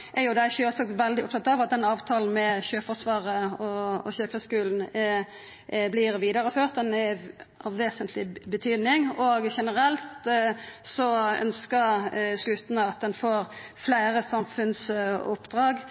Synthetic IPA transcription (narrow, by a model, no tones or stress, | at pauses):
ʔɛɾjʊd̪æɪʃøːlsɑk̚t̪ʋɛld̪ɪʊpt̪ɑt̪ːɑʋɑt̪̚d̪ɛnɑːʋt̪ʰɑːln̩mɛçøːfɔsʋɑːʁəɔɔ̰çøːkʁəskʉːln̩ | blɪɾʋiːd̪ɑɾəføːʁt̪̚d̪ɛnɛʔɑʋːeːsənt̪ʰlɪbət̪ʰyːd̪nɪŋɔɡʃɛnəɾɛlt̪ | sɔœ̰nskəɾslʉt̪n̩əɑt̪̚d̪ɛnfoːɾflæɪɾəsɑmfʉnsʊpd̪ʁɑːɡ